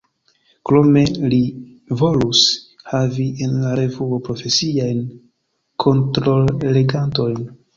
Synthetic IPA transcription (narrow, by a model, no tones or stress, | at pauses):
kɾo̞me̞li | vo̞lus | havienlaɾe̞vuopɾo̞fe̞siajn | kʰo̞ntɾo̞leɡanto̞jn